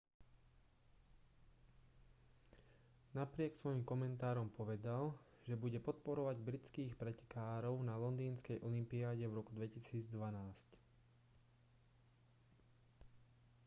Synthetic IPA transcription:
napɾɪɛksʋɔjimkɔmɛnt̪aːɾɔmpɔʋɛd̪al | ʒɛbuɟɛpɔt̪̚pɔɾɔʋaɟbɾit͡skiːxpɾɛcɛ̥kaːɾɔʊnalɔnd̪iːnskɛjʔɔlimpiaːɟɛvɾɔkud̪ʋɛcisiːd͡zd̪ʋanaːsc

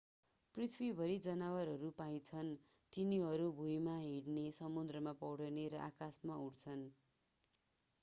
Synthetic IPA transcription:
prit̪ʰwibʱʌɾid͡zʌnawaɾɦʌɾupaj̃t͡sʰʌn | t̪iniɦʌɾubʱujmaɦiɽnesʌmud̪rʌmapʌwɽʌneɾʌʔakasmauɽt͡sʰʌn

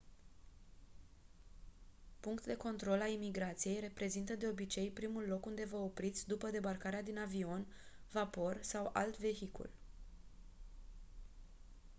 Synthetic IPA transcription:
puŋkt̪d̪e̞ko̞nt̪ɾo̞lalimiɡɾat̪sije̞jre̞pɾe̞zint̪əd̪e̞o̞bit͡ʃe̞jpɾimulːo̞kund̪e̞vəo̞pɾit̪sʲd̪upəd̪e̞barkaɾead̪inavio̞n | vapo̞rsawa̰lt̪ve̞çikṵl

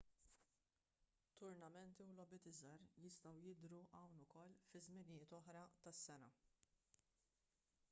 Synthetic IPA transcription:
t̪ːʊɾnɐmɛnt̪iwlɔbɪt̪ɪzɐɾjɪst̪ɐwjɪd̪ɾuʔɐwnʊkɔlːfɪzmɪnɪjɪːt̪ɔħɾɐt̪ɐsːɛnɐ̰

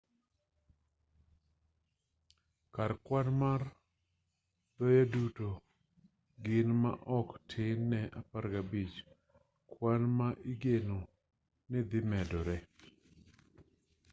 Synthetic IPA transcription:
kaɾkwanmar | d̪̥ɔjaduto | ɡɪnma̰ʔɔktʰɪnːɛʔapaɾɡabit͡ʃ | kwanmaʔiɡeno | nɪd̪ɪmɛdɔɾɛ

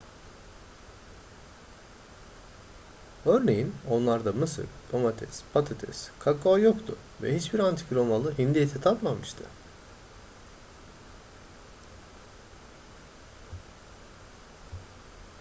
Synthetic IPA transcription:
ø̞ɾne̞jino̞nlˠaɾd̪amɯsɯ̰ɾd̪̥omat̪ʰɛ̰spʰat̪ʰat̪ʰɛ̰skʰakoajokt̪ʰʊ̰ | vɛ̰hit͡ʃbiɾant̪ʰi̥cɾo̞malˠɯɦind̪ijet̪ʰɛt̪ʰap̪mamɯʃt̪ʰɯ̰

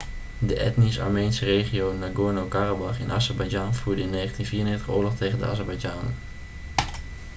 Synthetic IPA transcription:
dəʔɛ̰tnisɑ̰ɹmejnsərejχiownaɡʊɹnowkarabɑχɪnʔaːzɛɹbajd͡ʒɑnvuːɹdəɪnːejχəntinviːɹənɪːχtəχʊːɹlɔχtejχəndəa̰zɛɹbajd͡ʒaːnə̰

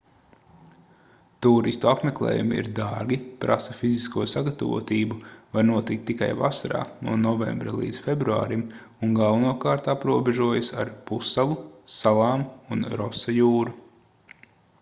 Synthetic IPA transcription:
t̪uːɾist̪uapmeklˠḛːjumiḭɾd̪aɾɡʲipɾʔa̰sɐfiziskuɔsaɡat̪avṵɔt̪iːbuvaɾnuɔt̪ikt̪ːika̰javasaɾa̰ːnṵɔnɔvḛmbɾalˠḭːd̪sfebɾua̰ːɾim | unɡalˠvanuɔkaːɾt̪apɾuɔbeʒuɔjasa̰ɾpusːalˠusalˠɑːmunɾɔsajuːɾu

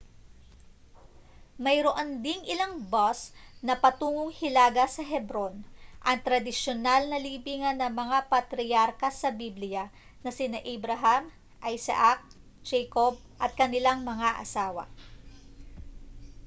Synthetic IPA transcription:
mɐjɾoʔond̪ɪŋʔɪlaŋbosnɐpɐt̪uːŋoŋhɪlaːɡɐsɐɦɛbɾo̞nʔɐŋt̪ɾɐd̪ɪʃjonalnɐliːbiːŋɐnːɐŋmɐŋapɐt̪ɾɪjaɾkɐsɐbiblɪjɐ | nɐsɪnaʔɪbɾɐɦam | ʔɐjsa̰ʔak̚ | d͡ʒɛkob̚ʔɐt̪̚kɐnɪlaŋmɐŋaʔɐ̰saːwɐ̰

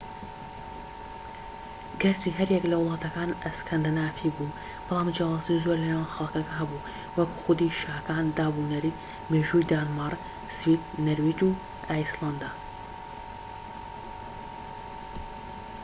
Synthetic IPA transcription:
ɡɐɾt̪iɦɐɾjɛklɐwlˠɑːt̪ɐkaːnɐskʰɐnd̪ɐnaːfʰibu | b̥ɨlˠaːmd͡ʒjaːwaːzizoɾlɐnejanxɐlˠkɐkɐɦɐbu | wɐku̥xʊd̪iʃaːɐkaːnd̪aːbunɐɾi | meːʒujd̪aːnmɑrˤ | swiːt̪nɐɾwiːd͡ʒu | ʔajslˠand̪a

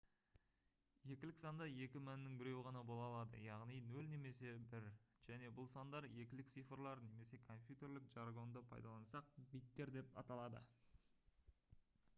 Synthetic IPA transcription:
je̞kʲɪlɪksɑnd̪ɑje̞kʲɪmænɪnɪŋbɪɾe̞wʁɑnɑbo̞lˠɑlˠɑd̪ə̰jɑʁnijnɵlne̞me̞se̞bɪɾʒ̥æne̞bʊlˠsɑnd̪ɑɾje̞kʲɪlɪk̚t̪sijfrlˠɑɾne̞me̞se̞kʰo̞mpʲjut̪e̞ɾlɪkʒɑrɡo̞nd̪əpʰɑ̰jd̪ɑlˠɑnsɑq̚bijt̪ːe̞ɾd̪e̞pɑ̰t̪ɑlˠɑd̪ə̰

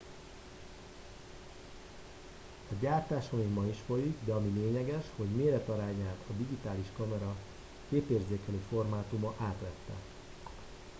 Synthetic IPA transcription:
ɒɟaːrt̪aːʃoniɡmɒiʃfo̞jiɡd̪ɛɒmileːɲɛɡɛʃho̞ɟmeːlɛt̪ɒɾaːɲaːt̪ʰɒd̪iɡit̪aːliʃkɒmɛɾɒ | keːpeːrzeːkɛlifo̞rmaːt̪umɒʔaːt̪ʋɛt̪ːɛ̰

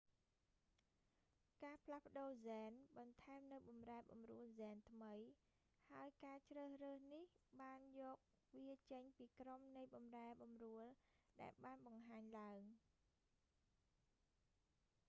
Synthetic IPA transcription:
kaːpʰlahpə̆ɗoːzaːnɓɑnt̪ʰaɛmnɨwɓɑmraɛɓɑmruəlzɛːnt̪ʰməj | haəjkaːt͡ɕrəːhrəːhnihɓaːnjɔːk̚ | ʋiət͡ɕəɲpiːkromnɨjɓɑmraɛɓɑmruəlɗa̰ɛlɓaːnɓɑŋɦaːɲlaəŋ

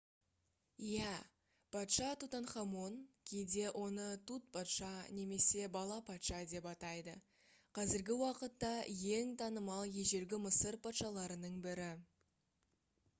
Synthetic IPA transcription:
ijæ | pʰɑt̪ʃɑt̪ut̪ɑnχɑmo̞nkʲʰejd̪e̞wʔo̞nət̪ʰut̪̚pʰɑt̪ʃɑne̞me̞se̞bɑlˠɑpʰɑt̪ʃɑd̪e̞pɑt̪ɑjd̪ə | qʰɑzɪɾɡʲɪwɑqət̪ːɑje̞ŋt̪ʰɑnəmɑlˠjeʒe̞ɾɡʲɪməsəɾpʰɑt̪ʃɑlˠɑɾənəɴbɪɾɪ

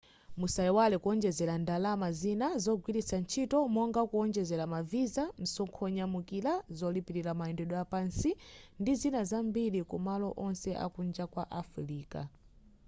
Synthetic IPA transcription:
musajɛwalɛkuɔnd͡ʒɛzɛlandalamazinazɔɡwiɾisant͡ʃʰitɔmɔŋɡakuɔnd͡ʒɛzɛɾamavizan̩sɔŋkʰɔɲamukilazɔlipiɾiɾamaɛndɛɗɔjapansindizinazambilikumalɔʔɔnsɛʔa̰kund͡ʒakwa̰ʔafɾiːka̰

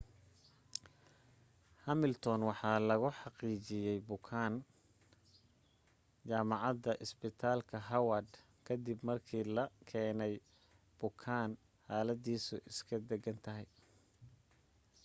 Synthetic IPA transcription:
hɐmɪlt̪ʰɔnwɑħɑːlɐɣʊħɑqiːt͡ʃɪjɛjbʊkʰaːn | t͡ʃaːmɑʕɑd̪ɐʔɪsbɪt̪ʰaːlkʰɐɦɐwɐd̪ | kʰɐd̪ibmɐrkʰiːlɐkʰɛːnɛj | b̥ʊkʰaːn | haːlɐd̪iːsʊʔɪskʰɐd̪ɛɡɐnt̪ʰɐɦɛj

